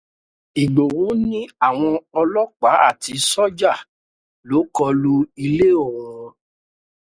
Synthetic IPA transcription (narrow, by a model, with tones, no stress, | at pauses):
i˨ɡ͡bo˨wõ˨˦nĩ˦a˦˨w̃ɔ̃˧ɔ˧lɔ˦k͡pa˨˦a̰˦˨ti˧sɔ˦d͡ʒa˦˨ | lo˨˦kɔ˧lu˦i˧le˦ɔ˨˦˨ɔ˧